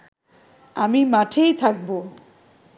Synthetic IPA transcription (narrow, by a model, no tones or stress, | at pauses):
amimaʈʰejt̪ʰak̚bo